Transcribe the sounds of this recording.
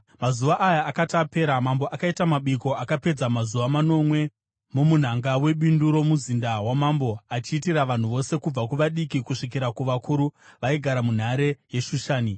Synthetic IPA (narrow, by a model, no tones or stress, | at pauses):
mazuʋaʔajaːkatape̞ːɾamamboʔakaitamaɓiko̞akape̞d͡zamazuʋamano̞mwe̞ | momun̤aŋɡawe̞ɓinduɾo̞muzindawamambo̞at͡ʃiːtiraʋan̤uʋo̞se̞kub͡vakuʋaɗikikuʂikiɾakuʋakʰuɾuʋaiɡʱaɾamun̤aɾe̞je̞ʃuʃaːni